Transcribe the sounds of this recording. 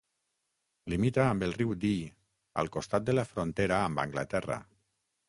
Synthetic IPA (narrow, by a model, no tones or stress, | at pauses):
limit̪aːmbelˠriwd̪i | a̰lˠkost̪at̪̚d̪elafɾont̪eɾaːmba̰ŋɡla̰t̪ɛra̰